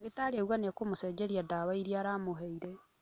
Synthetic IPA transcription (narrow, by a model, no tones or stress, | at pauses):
ɣetaːɾeɣwaneakomoseːd͡ʒeɾiadaβaiɾiaɾamoɦeiɾe